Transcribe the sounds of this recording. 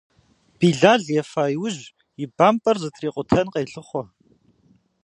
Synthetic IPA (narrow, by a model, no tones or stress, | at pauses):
b̥iːɮaːɮjɛfaːjwʊʑ | jɪbaːmpʼɐrzɨtʰriːqʷʼʊtʰɐnqeːɬɨχʷɔ